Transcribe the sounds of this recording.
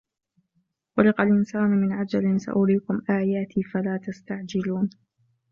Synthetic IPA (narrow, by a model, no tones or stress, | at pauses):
ʔʊɾɪqalʔɪnsaːnmɪnʕad͡ʒalɪnsa̰ʔʊɾiːkʊmʔaːjaːt̪ʰiːfalaːt̪ast̪aʕd͡ʒɪluːn